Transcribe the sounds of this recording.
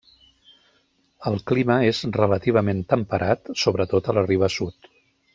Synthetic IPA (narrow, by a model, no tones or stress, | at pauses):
əlˠkliməezrələt̪iβ̞əment̪əmpəɾʔat̪soβɾət̪ot̪ələriβ̞əsut̪